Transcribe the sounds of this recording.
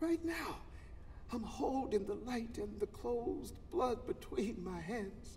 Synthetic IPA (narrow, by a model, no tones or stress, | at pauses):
ɹaɪtⁿnaʊ | ãɪ̃mhoʊlˠdɪ̃ŋðəlaɪɾɨ̃nðɨkʰl̥oʊz | b̥lʌd̚bɨtʰw̥ĩnmaɪɦæ̃nz̥